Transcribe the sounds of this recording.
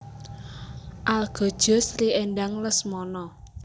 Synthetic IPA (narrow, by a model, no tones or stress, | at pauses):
ʔalɡ̥ɔ̤d̥ʒ̥ɔ̤sriɛnɖaŋləsmɔnɔ